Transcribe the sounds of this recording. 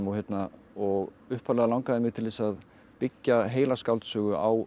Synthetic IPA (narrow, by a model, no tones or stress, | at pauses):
maçjɛt̪na | ɔɣ | ʏhpʰalɛɣalawŋkaðɪmɪɣt̪ʰɪlvesað | pɪcːaɦeːjlaskawlt̪sʏːɣʏʔaw